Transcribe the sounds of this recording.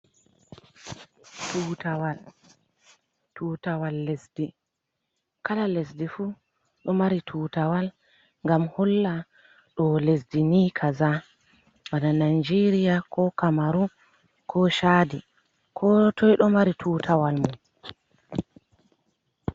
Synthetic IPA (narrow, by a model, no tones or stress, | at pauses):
tutawal | tutawalːesdi | kalalesdifu | ɗɔmaɾitʰuːtawal | ŋɡamhɔlːa | ɗɔlesdiniːkʰaza | wananajd͡ʒeɾijakɔkamaɾu | kʰɔʃaːdi | kʰɔtʰɔjɗɔmaɾitʰuːtʰawalmun